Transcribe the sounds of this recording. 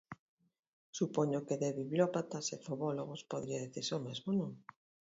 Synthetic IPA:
supoɲokeðeβiβlopat̪asefoβɔloɣ̞ospoðɾiaðiθiɾsomezmonũŋ

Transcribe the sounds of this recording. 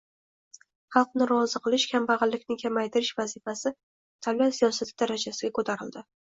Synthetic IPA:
χɑlˠqnɪɾɒzɨqʰɨlɪʃkʲʰambɑʁɨlːɪkʲnɪŋkʲʰamajt̪ʰɪɾɪʃvazifasɪ | t̪ʰavlat̪sijɒsat̪ʰɪd̪aɾad͡ʒasɪɡʲakot̪ʰaɾɪld̪ɪ

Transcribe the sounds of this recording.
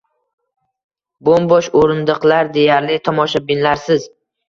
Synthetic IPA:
bombɒʃoɾɪnd̪ɨqlˠaɾd̪e̞jaɾlɪt̪ʰɒmɒʃabɪnlaɾsɪz

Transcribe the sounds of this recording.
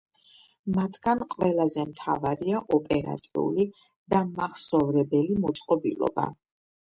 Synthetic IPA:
mat̪ʰɡ̥anqʼwɛlˠazɛmt̪ʰa̰vaɾiaʔɔpʼɛɾa̰t̪ʼiṵli | d̪̥amaχsɔvɾɛbɛlimɔt̪sʼqʼɔbḭlˠɔ̰ba̰

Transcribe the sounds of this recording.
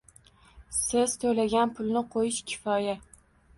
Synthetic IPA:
sɪz̥t̪ʰolaɡʲanpʰʊlˠnɪqʰojɪʃkʲʰɪ̥fɒja

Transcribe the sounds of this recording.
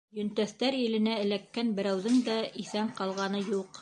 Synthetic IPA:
jɵ̆nt̪æθt̪æɾilɘ̆næɘ̆lækːænbɘ̆ɾæwðɘŋd̪æʔiθæɴqɑlˠʁɑnɤjuq

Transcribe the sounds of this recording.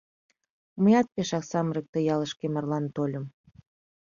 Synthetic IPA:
uməjɑt̪̚peʃɑksɑmɾek̚t̪ejɑləʃkemɑrlɑnt̪olʲə̆m

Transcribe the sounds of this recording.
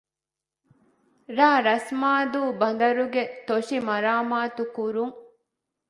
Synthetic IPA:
ɾaːɾɐsmaːd̪uːbɐn̆d̪ɐɾuɡet̪oʂimɐɾaːmaːt̪ukuɾuŋ

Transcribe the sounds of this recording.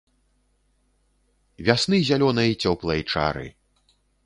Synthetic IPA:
vʲasnɨzʲalʲɔnɐjt͡sʲɔplˠɐjt͡ʂa̰ɾɨ̰

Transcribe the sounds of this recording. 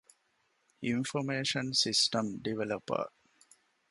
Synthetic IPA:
infomeːʃənsisʈəmɖiʋelɐpə̰

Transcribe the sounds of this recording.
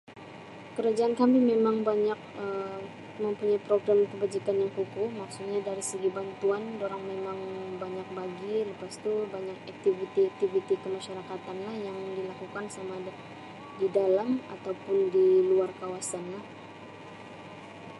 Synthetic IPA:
kəɾad͡ʒaːnkamimemaŋbaɲak̚ə | məmpuɲajpɾoɡɾamkəbad͡ʒikanjaŋkukumaksut̪̚ɲadaɾisəɡibant̪uandoɾaŋmemaŋbaɲak̚baɡiləpast̪ubaɲakak̚t̪ivit̪iak̚t̪ivit̪ikəmaʃaɾakat̪anlahjaŋdilakukansama | didalamat̪awpʊndiluarkawasanlah

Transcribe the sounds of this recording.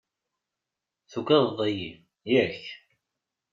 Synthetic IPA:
θuɡæððˤəji | jæç

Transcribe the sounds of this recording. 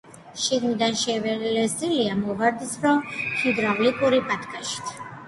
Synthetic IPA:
ʃiɡmid̪anʃɛvɛlɛsʼiliamɔvaɾd̪isɾɔmhid̪ɾavlikʼuɾipʼat̪ʰkʰʼaʃi̥t̪ʰ

